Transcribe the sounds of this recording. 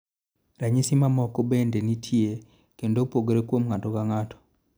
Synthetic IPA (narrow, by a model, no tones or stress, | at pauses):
ɾaɲisimamɔkobendenitʰje | kendopoɡeɾekwomŋatɔkaŋatɔ̥